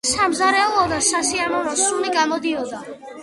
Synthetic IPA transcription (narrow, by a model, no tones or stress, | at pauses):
samzaɾɛɔɔd̪asasianɔɾɔsuliɡamɔd̪iɔd̪a